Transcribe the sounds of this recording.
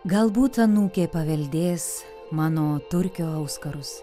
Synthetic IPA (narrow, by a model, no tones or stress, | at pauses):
ɡɐlˠbuːt̪ɐnuːkʲeːpɐʋʲɛlʲd̪ʲeːs | mɑːnoːt̪ʊɾʲkʲoːɐʊskɐɾʊs